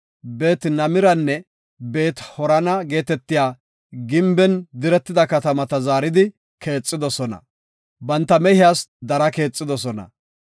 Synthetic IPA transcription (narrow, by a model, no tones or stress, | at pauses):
be̞ːt̪nɐmɪɾɐnːɛ | be̞ːt̪hɔɾɐnɐɡe̞ːt̪ɛt̪ːɪjaː | ɡɪmbɛnd̪ɪɾɛt̪ːɪd̪ɐkɐt̪ɐmɐt̪ɐzaːɾɪd̪ɪ | ke̞ːt͡sʼːɪd̪ɔsɔnɐ̰ | bɐnt̪ːɐmɛhɪjaːsd̪ɐɾɐke̞ːt͡sʼːɪd̪ɔsɔnɐ̰